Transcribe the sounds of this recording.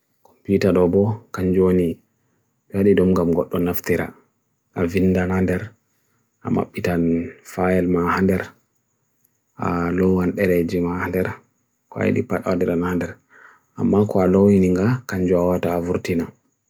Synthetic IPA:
kɔmputaɗɔbɔkaɲd͡ʒoni | ɓɛaɗidɔmɡamɡɔɗːɔnaftiɾa̰ | ʔavinːdanandɛɾ | ʔa̰ma̰ɓːitanfajɛlmahandɛɾ | ʔa̰lɔwanɗɛɾɛd͡ʒimahandɛɾ | kɔa̰jḭɗḭpaɗawadɛɾanandɛɾ | ʔa̰mːakɔalowiniŋɡakaɲd͡ʒuawataːvuɾtina

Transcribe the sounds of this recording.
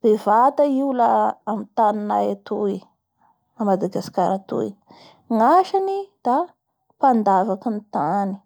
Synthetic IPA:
d̪̥evat̪aiulaamit̪aninajat̪ui | amad̪aɡaskaɾat̪ṵi | ŋaʃanid̪̥a | pand̪avakinit̪ani̥

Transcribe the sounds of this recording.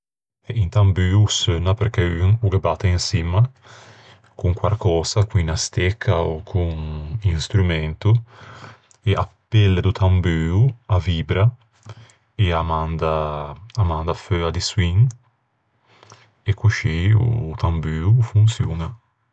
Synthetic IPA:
ɛʔint̪ambyːusønapeɾkeyŋuɾebat̪ːeinsima | kuŋkwaɾkɔːzakwinast̪ekʰːaokʰuŋiŋst̪ɾumɛnt̪u | eʔapːɛlːed̪ut̪ʰambyːuaviːbɾa | eamand̪aː | mand̪aføad̪iswiŋ | ekːuʃiṵːt̪ambyːufunt̪sjuːna

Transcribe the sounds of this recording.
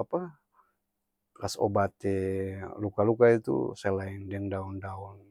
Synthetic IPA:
apa | kaso̰bat̪ɛlukalukait̪ṵsɛlaindɛŋdaɔndaɔn

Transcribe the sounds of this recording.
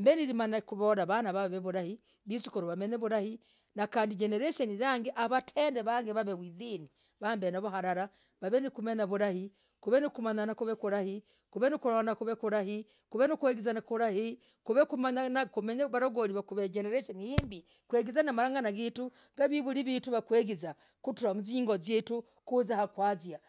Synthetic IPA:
mbeniɾimanakuβoɾaβanaβaβeβuɾahi | βisikoɾoβameɲeβuɾahi | nakaːndid͡ʒeneɾeʃoniɾaŋɡeʔaβatʰeːndeβaŋɡeβaβeβwiðini | βambenaβuhaɾaɾa | βaβenikumeɲaβuɾahi | kuβenikumaɲanakuβekuɾahi | kuβenikuɾonakuβekuɾahi | kuβenikweɡizanakuɾahi | kuβekumaɲanakumeɲaβaɾoɡoɾiβakuβeɟeneɾeʃenijiːmbi | kweɡizanamaɾaːŋɡanaɡitu | ɡaβiβuɾiβiːtuβakweːɡiza | kutuɾamuziːŋɡozjeːtu | kuzahakwaːzja

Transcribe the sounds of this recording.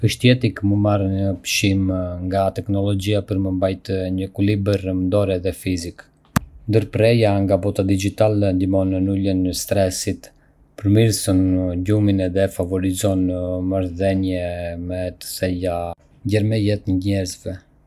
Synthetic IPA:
kəʃt̪iɛt̪ikməmarɲəpʃimŋɡat̪ɛknɔlɔd͡ʑiapəɾməmbajt̪ɲəkulibəɾmd̪ɔɾɛðɛfizik | nd̪əɾpɾɛjaŋɡabɔt̪ad̪id͡ʒit̪alɛnd̪imɔnənulənəst̪ɾɛsit̪ | pəɾmiɾsɔnɟuminɛðɛfavɔɾizɔnmaɾðɛnjɛmɛt̪ə̥sɛja | ɟɛɾmɛjɛt̪ɲəɲɛɾzvɛ

